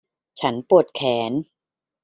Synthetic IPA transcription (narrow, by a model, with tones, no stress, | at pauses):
t͡ɕʰa˦˥npu˨˩ət̪̚kʰɛː˩˦n